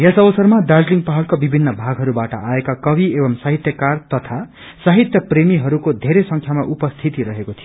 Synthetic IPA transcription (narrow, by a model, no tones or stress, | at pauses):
jesʌbʌsʌrmadard͡zliŋɡpaɦʌlkabibʱinːʌbʱaɡɦʌɾubaʈʌ̰ʔaekakʌbʱiebʌmsaɦit̪jʌkart̪ʌt̪ʰa | saɦit̪jʌpremiɦʌɾukod̪ʱeɾesʌŋkʰjamaʔupʌst̪ʰit̪iɾʌɦekot̪ʰijo